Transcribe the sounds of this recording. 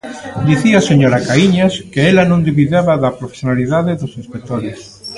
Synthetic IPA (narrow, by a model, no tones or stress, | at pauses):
d̪iθiaseɲoɾakaiɲaskeelanõnd̪iβiðaβaðapɾofe̥sjonaliðaðeðosĩnspek̚t̪oɾes